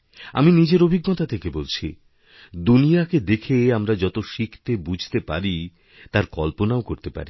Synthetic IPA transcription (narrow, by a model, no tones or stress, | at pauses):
a̰minid͡ʑeɾobʱiɡːot̪at̪ʰekebolt͡ɕʰḭ | d̪unijaked̪ekʰeamɾad͡ʑɔt̪oʃikʰt̪ebud͡ʑʱt̪epaɾi | t̪aɾkɔlponaokoɾt̪epa̰ɾi